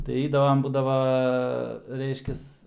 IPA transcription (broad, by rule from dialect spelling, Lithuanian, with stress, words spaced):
tɐɪ ˈɛɪdɐʋɐm ˈbuːdɐʋɐ ˈrʲɛɪʃʲkʲɛs